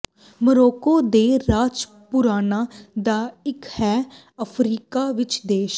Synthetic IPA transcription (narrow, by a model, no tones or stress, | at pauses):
məɾoːkoːd̪eːɾaːd͡ʒ | pʊɾaːnaːd̪aːɪkhɛː | əpʰɾiːkaːʋɪt͡ʃd̪eːʃ